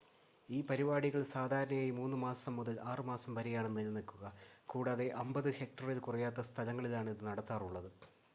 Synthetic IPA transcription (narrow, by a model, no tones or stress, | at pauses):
iːpɐɾibaːɽiɣɐɭsaːd̪ʱaːɾɐɳɐjaːjimuːnːɨmaːsɐmːuðɐlʔaːrɨmaːsɐmpɐɾɐjaːɳenːuenːɨnikːuɣɐkuːɽaːðe̞ʔɐmbɐðɨhe̞k̚ʈɐrilkurɐjaːt̪ːɐst̪ʰɐlɐŋːɐɭilaːɳiðɨnɐɽɐt̪ːaːruɭːɐðɨ